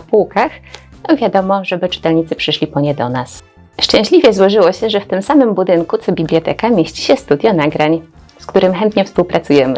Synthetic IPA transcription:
apuwkax | ɔvʲjad̪ɔmɔʐɛbɘt͡ʂɘ̥t̪ɛlɲit̪sɘpʂɘʂlʲipɔɲɛd̪ɔnas | ʂt͡ʂɛ̃ɕlʲivʲjɛzwɔʐɘwɔɕɛʐɛft̪ɘmsamɘmbud̪ɘŋkut̪sɔbʲiblʲjɔt̪ɛkamʲjeɕt͡ɕi̥ɕɛst̪ud̪ʲjɔnaɡɾaɲ | skt̪uɾɘmxɛnt̪ɲɛfspuwpɾatsujɛmɘ

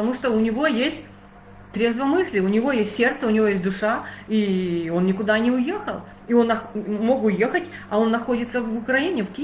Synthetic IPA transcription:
pət̪ɐmuʂt̪oʊnʲɪvo̞jesʲtʲ | t̪ɾʲe̞zvəmɨsʲlʲɪʊnʲɪvo̞jesʲtʲsʲe̞rt̪səʊnʲɪvʲo̞jes̬ʲt̪ʲd̪ʊʂaio̞nnʲɪkʊd̪anʲɪʊje̞xə̰lˠ | io̞nːɐxmo̞kʊjexətʲɐo̞nːɐxo̞dʲɪt̪səvʊkɾɐinʲɪfkʲɪ

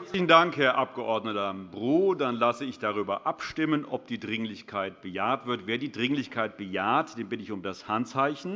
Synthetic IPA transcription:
t͡sɪçn̩daŋkhɛːɐʔap̚ɡ̥əʔɔɐdnətɐbʁuːdanlasəɪçd̥aʁ̞yːbɐʔapʃtɪmənʔɔ̰p̚d̥iːdʁɪŋlɪçkʰaɪtb̥əjaːɐtv̥ɪɐtveːɐdiːdʁɪŋlɪçkʰaɪt̚b̥əjaːɐtd̥eːmbɪtəɪçʊmdashantt͡saɪçn̩

